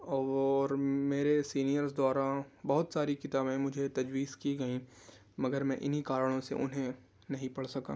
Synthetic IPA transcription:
ɔːɾmeːɾesiːnijəɾsd̪waːɾabɐɦʊt̪saːɾikɪt̪aːbẽmʊd͡ʒʱet̪ɐd͡ʒwiːzkiɡɐĩ | mɐɡəɾmɛ̃ːʔɪnikaːɾəɽ̃õsḛʔʊnɦẽ | nɐɦĩpɐɽsɐka̰ː

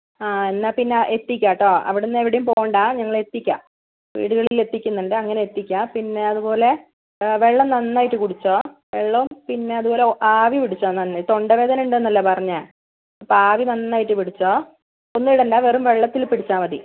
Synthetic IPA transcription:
aːenːaːpinːeʔet̪ːikʲːaːʈːoːɐ̰ʋiɽenːeʋiɽejumpoːɣɳɖaːɲɐŋːɐɭe̞t̪ːikʲːa̰ː | ʋḭːɽuɣɐɭile̞t̪ːikʲːunːɐɳɖɨɐŋːɐneet̪ːikʲːaːmpinːe̞ɐðupo̞ːle̞ | ʋe̞ɭːɐmnɐnːaːjiʈːɨkuɽit͡ɕːoː | ʋeɭːɐumpinːe̞ɐðupoːleaːʋipiɽit͡ɕːoːnːɐnːɨt̪o̞ɳɖɐʋe̞ːd̪ɐnuɳɖenːɐlːɐpɐrɐɲːa | paːʋinɐnːaːjiʈːɨpiɽit͡ɕːoː | onːuiɽeɳɖaːʋerumʋe̞ɭːɐt̪ːilpiɽit͡ɕːaːmɐðḭ

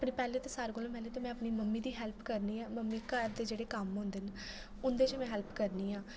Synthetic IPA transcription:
əpɽĩːpɛːlẽːt̪eːsaːɾɡoːlõmɛːleːt̪eːmɛ̃ːəpniːməmːiːd̪iːɦɛːlpʰkəɾniːɛːməmːiːkəɾd̪eːd͡ʒeːɽeːkəmɦʊ̃ːnd̪eːn | ʊnd̪eːt͡ʃmɛ̃ːɦɛːlpkəɾniːãː

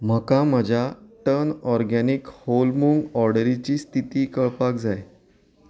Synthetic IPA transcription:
m̤əkaməd͡ʑʱjaʈənɔɾɡanikholmuŋɡɔɾɖəɾit͡ɕiːst̪ʰit̪iːkəɭpak̚d͡zaj

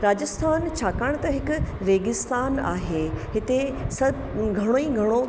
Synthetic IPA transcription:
ɾaːd͡ʑəst̪ʰaːnt͡ɕʰaːkaɽ̃t̪ɐɦɪkʊɾeːɡɪst̪aːna̰ːɦeːɦɪt̪esɐ | ɡʱɐɽ̃oĩɡʱɐɽ̃o

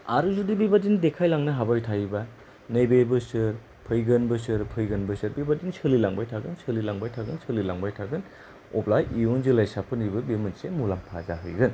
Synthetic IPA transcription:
a̰ɾuzudibibadindekʰajlaŋnɐɦabajtʰajba | nɯjbebɯsɯɾ | pʰɯjɡɯnbɯsɯɾpʰɯjɡɯnbɯsɯɾbibadinsɯlilaŋbajtʰaɡɯnsʰɯlilaŋbajtʰaɡɯnsʰɯlilaŋbajtʰaɡɯn | ɔplajionzilajsapʰɯnibɐbimɯnsemulampʰazaɦɯ̰jɡɯn

